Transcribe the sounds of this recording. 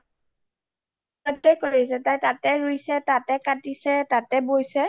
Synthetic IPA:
ɔtːɛkoɹis̬ɛtajtatɛɹujsɛtatɛkatisɛtatɛbojsɛ

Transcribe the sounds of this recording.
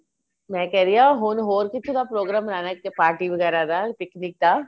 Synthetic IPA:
mɛ̃ːkɛːɾijaːɦoːnɦoːɾkɪt̪ʰːõd̪apɾoːɡɾaːmɾaːnakːepaːɾʈiʋəɡɛːɾad̪aːpɪknɪk̚d̪aː

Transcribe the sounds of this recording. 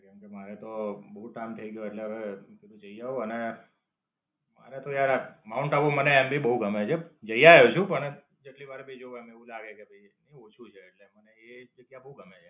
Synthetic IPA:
kə̃mkemaɾɛt̪obəɦuʈaimt̪ʰəiɡəjoeʈleəʋekit̪ũd͡ʒəijaoəne | maɾɛt̪ojaɾamauɳʈaʋoməneɛmbibəɦuɡʱəmet͡ʃʰed͡ʒəjajot͡ʃʰũpəɳ | d͡ʒeʈliʋaɾebʱəid͡ʒoʋameʋũlaɡekebʱəi | nəiot͡ʃʰũt͡ʃʰeːʈleməneed͡ʒəɡjabəɦuɡʱəmet͡ʃʰe

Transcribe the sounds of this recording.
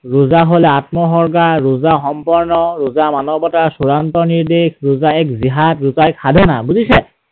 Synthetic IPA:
ɹuzaɦolɛatmɔxɔɹkaɹɹʊzaxɔmpɔɹnɔɹʊzamanɔbɔtaɹsuɹantɔniɹdexɹʊzaɛkziɦatɹuzaɛkʰadʱɔnabuzisɛ

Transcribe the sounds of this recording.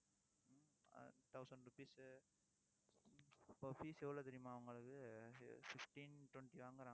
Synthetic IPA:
t̪ɐʊsɐɳɖɾupiːs | pːoːfiːsɛʋːɐɭoːt̪ɛɾɪjmaːɐʋɐŋɡɐɭɯkːɯfɪfʈinʈwɐɳʈiʋaːŋɡɐɾaːɡɐ

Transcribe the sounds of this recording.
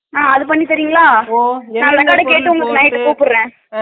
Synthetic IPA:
aːɐðɯpɐɳːit̪ɐɾijŋɡɐɭaːnaːnɐŋɡaːɽɐ̃keːʈːɯʊŋɡɐɭkːɯnaːjɪʈːɯkuːpɯɾɾẽː

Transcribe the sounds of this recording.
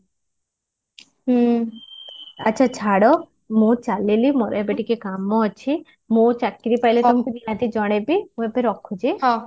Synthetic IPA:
ɐtːt͡ʃʰat͡ʃʰaɽɔ | mũt͡ʃalilimɔɾajbeʈikekamɔɔt͡ʃʰi | mũt͡ʃakːiɾipailet̪ɔmkuninat̪id͡ʒɔɽ̃ebimũepeɾɔkʰːud͡ʒi

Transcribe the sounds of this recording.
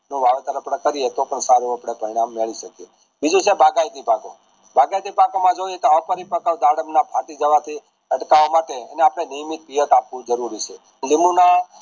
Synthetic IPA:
nũʋaʋet̪əɾəpɽəkəɾiet̪okənsaɾuapɽ̃epəɾiɽ̃amːeɭiʃəkie | bid͡ʒũt͡ʃʰebʱaɡajd̪ipako̰ | bʱaɡajd̪ipakomãd͡ʒoiet̪oəpəɾipəkaʋd̪aɽəmnapʰaʈid͡ʒəʋat̪ʰi | əʈkaʋamaʈḛːneapɽ̃enijmit̪̚pijət̪apʋũd͡ʒəɾuɾit͡ʃʰe | limuna

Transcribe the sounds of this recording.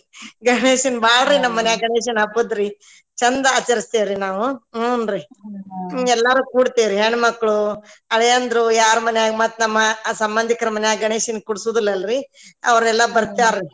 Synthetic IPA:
ɡɐɳeːʃinbaːɭɾinɐmːɐnɛjaːɡɐɳeːʃ̬ɐnɐbud̪ɾi | t͡ʃɐnd̪ɐɐt͡ʃɐɾist̪eːʋɾinaːʋunɾi | ɛlːɐɾuːkuːɽt̪eʋɾiɦeːɳmɐkːɭuɐɭɛjɐnd̪ɐɾujaːɾumɐnɛjaːɡmɐt̪nɐmːɐsɐmbɐnd̪ʱikɐɾɐmɐnɛjaːɡɐɳeːʃinkuɽsuːd̪ilːɐɐlɾi | ɐ̰ʋɐɾɛlːɐbɐɾt̪aːɾɾi

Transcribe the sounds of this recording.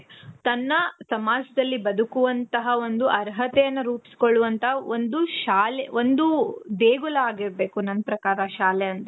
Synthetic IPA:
t̪ɐnːɐsɐmaːd͡ʒɐd̪ɐlːibɐd̪ukuʋɐnt̪ɐɦɐo̞nd̪uʔɐɾɦɐt̪ɛjɐnːɐɾuːpi̥si̥koɭːuʋɐnt̪ɐɦɐond̪uʃaːleond̪ud̪eːɡulɐaːɡiɾbe̞ːkunɐnɐpɾɐkaːɾɐʃaːlɛjɐnt̪ɐ

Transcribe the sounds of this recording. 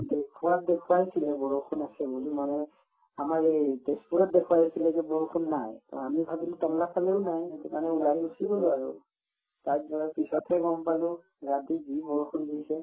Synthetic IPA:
dekʰuwat̚dekʰuwaɦisilɛbɔɹukʰunasɛbulimanɛ | amaɹetespuɹɔt̚dekʰuwaɦisilɛzɛbɔɹukʰunːajtɔ̰amibʱabiltɔmlakaleʊnajtumanɛulajbusibɔlʊaɹṵ | tatzɔapisɔtʰɛɡɔmpalʊ̃ | ɹatizibɔɹukʰunɡiisɛ

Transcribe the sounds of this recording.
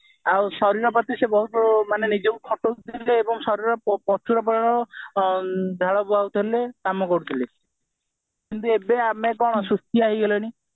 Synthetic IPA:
awsɔɾiɾɔpat̪isebɔɦut̪ɔbɔɾumanenid͡ʒɔmkʰɔʈot̪ʰileːbɔŋsɔɾiɾɔɔpɔt͡ʃʰuɾɔpɔɾaɾɔ | d̪ʱaɭɔbuawt̪ʰilekamɔkɔɽut̪ʰile | kint̪uebeamekɔɽ̃ɔsɾust̪iaɦiɡelɔɽ̃i

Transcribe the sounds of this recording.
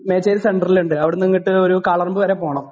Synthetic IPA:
meːt͡ɕːeːɾse̞ɳɖɐriluɳɖɨɐʋiɽeniŋːiʈːɨo̞ɾukaːɭɐrumbɨʋɐɾeːpo̞ːɳɐm

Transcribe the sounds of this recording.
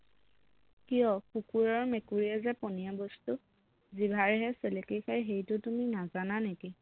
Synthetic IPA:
kijɔkukuɹɔɹmekuɹiɛzɛpɔnijabɔstʊ | zibʱaɹɛɦɛselekexʰajɦejtʊtuminazananeki

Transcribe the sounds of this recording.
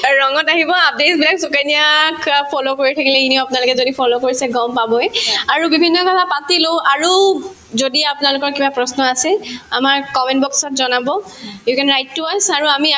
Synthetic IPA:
ɹɔŋɔtaɦibɔap̚desbilaksukanijakpʰɔlokoɹitʰakilɛinioapʊnalʊkɛzodipʰɔlokoɹisɛɡɔmpabɔjaɹubibʱinːɔkɔtʰapatilowʔaɹu | zodiapʊnalʊkɔɹkibapɹɔsnɔasɛamaɹkɔmɛntbɔksɔtzɔnabɔ | jukɛnɹajtːuajsaɹuami

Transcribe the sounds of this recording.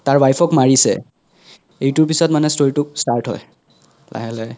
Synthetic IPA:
taɹbajpʰɔkmaɹisɛ̰ | ejtʊɹpisɔtmanɛstoɹitʊk̚staɹtɦɔ̰j | la̰ɦɛlɛ

